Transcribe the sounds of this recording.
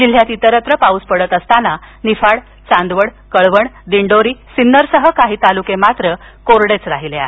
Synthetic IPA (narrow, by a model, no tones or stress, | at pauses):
d͡ʑil̤jat̪it̪əɾət̪ɾəpauspəɽət̪əst̪ana | nifaɽ | t͡sãnd̪ʋəɽ | kəɭʋəɳd̪iɳɖoɾiːsinːəɾsəɦəkaɦiːt̪alukemat̪ɾə | koɾɽet͡sɾaɦileaɦe